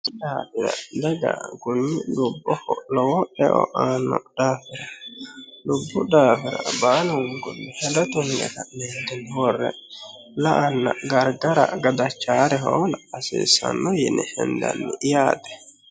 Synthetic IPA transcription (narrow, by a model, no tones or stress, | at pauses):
d̪aːfɪɾɐ̰d̪ɛɡa̰ɡʊnːɪdʊbːɔhɔlɔwɔɛʔɔ̰ʔaːnːɔd̪̥aːfɪɾɐ | lʊbːʊd̪aːfɪɾɐbaːlʊŋɡʊnːɛhɛd̪ɐt̪ʊnːɛ̰kɐneːd̪ɪnwɔrːɛ̰ | lɐʔɐnːɐ̰ɡɐɾɡɐɾɐ̰ɡɐd̪ɐt͡ʃːaːɾɛɦɔnːsḭːsɐ̰nːɔjɪnːɛhɛnd̪ɐ̰nːɪʔɪjaːd̪ɛ̥